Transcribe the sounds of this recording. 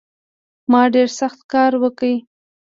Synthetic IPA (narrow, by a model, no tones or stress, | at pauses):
mɑɖeɾsaxt̪kɑɾwəkəj